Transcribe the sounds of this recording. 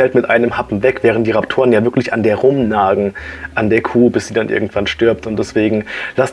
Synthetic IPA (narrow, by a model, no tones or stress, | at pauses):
ɛltmɪtʔa̰ɪnəmhapm̩vɛkv̥ɛːʁ̞əntd̥iːʁaptʰoːʁənjaːvɪɐklɪçandeːɐʁʊmnaːɡŋ̩ʔandeːɐkʰuːbɪsz̥iːdanʔɪ̰ɐɡŋ̩tv̥anʃtʏɐp̚tʊnt̚d̥ɛsv̥eːɡŋ̩las